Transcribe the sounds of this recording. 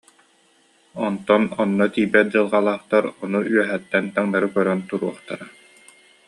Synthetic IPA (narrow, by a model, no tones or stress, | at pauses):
ɔnt̪ɔnɔnːɔt̪iːbɛt̪̚d͡ʑɯlˠʁalˠaːχt̪aɾɔnuyœɦɛt̪ːɛnt̪aŋnaɾɯkœɾœnt̪uɾuɔχt̪a̰ɾa